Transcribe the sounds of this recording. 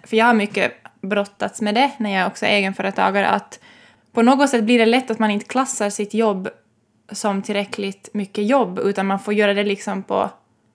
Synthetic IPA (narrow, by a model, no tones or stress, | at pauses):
fœɾjɑːɡhaɾmʏkːə̰bɾɔt̪ːat̪smɛd̪ɛnæɾjɑæɾɔksɔ̰ʔeːɡənfœːɾət̪ʰɑ̰ːɡaɾə̰ʔa̰t̪ | pʰɔnoːɡɔt̪sɛt̪ːblɪɖɛlɛt̪ːat̪manɪnt̪ə̥kʰlasːaɾsɪt̪jɔbː | sɔmt̪ʰɪlɾɛklɪt̪mʏkːəjɔbːʉ̟ːt̪anmanfoːɾjœːɾad̪ɛlɪksɔmpʰɔ̰